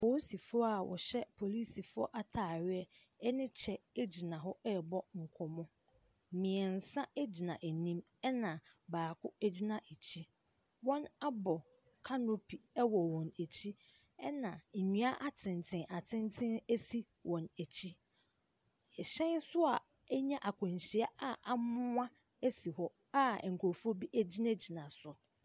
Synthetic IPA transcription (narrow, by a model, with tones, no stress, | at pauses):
pʰo˨˦si˨fʊ˦ɔ˦a˨wʔɔ̰˨ɕɛ˦pʰo˨li˦si˨fʊ˦ɔ̰˦ʔa˦tʰaː˨ɥɪ˦ɛ˦ | ɛ˦nɪ̃˦t͡ɕʰɛ˨e˦d͡ʑi˨nã˨ɦɔ˦ɛ˦˨bɔ˦ŋ̩˨kʰɔ˨mɔ̃˦˨ | mɪ̃˨ɛ˨n̩˨sã˦e˦d͡ʑi˨nã˨ʔe˨nĩ˦m | ɛ˦nã˨baː˨kʰʊ˦æ˦d͡ʑᶣi˦nã˨ʔe˨t͡ɕʰi˦ | wɔ̃˦na˦bɔ˨ | kʰa˦no˦pʰi˨ɛ˦wɔ˨wɔ̃˨næ˨t͡ɕʰi˦ | ɛ˦nã˨ɲũ˦a˦ʔa˦tʰɪ̃˨n˨tʰɪ̃˨˦ʔa˨tʰɪ̃˦ntʰɪ̃˦ne˦si˦ | wʔɔ̃˨næ˨t͡ɕʰi˦˨ | ɕɛ̃˦nsʊ˦a˨ | ɛ˦ɲã˦ʔa˨kʰʊ̃˨ɲ˨ɕi˨a˦a˦ʔa˨mʊ̃˦ã˦ | e˦si˨hɔ˦ | a˦˨ŋ̩˨kʰo˨fu˦o˦bi˦ʔæ˦d͡ʑi˦na˦d͡ʑi˨nã˨sʊ˨